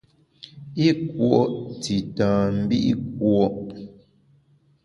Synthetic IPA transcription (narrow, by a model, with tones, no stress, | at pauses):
i˦kwɔ˨ʔti˨tãː˨m̩˦bi˦ʔḭ˦k̚wɔ˦˨ʔ